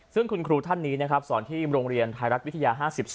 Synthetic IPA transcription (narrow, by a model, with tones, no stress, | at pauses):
sɯ˥˩ŋkʰu˧nkʰɾuː˧t̪ʰa˥˩nːiː˦˥na˦˥kʰɾa˦˥p̚sɔː˩˦nt̪ʰiː˥˩ɾoː˧ŋɾi˧ənt̪ʰaː˧ɾa˦˥t̪̚wt̪ʰa˧jaː˧ɦaː˥˩si˨˩